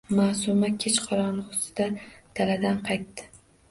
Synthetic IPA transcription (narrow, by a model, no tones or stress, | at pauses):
maːsʊmakʲʰet͡ʃqʰɑɾɒnʁʊsɪ̥d̪̥ad̪̥ʰalad̪anqʰɑjt̪ːɪ̥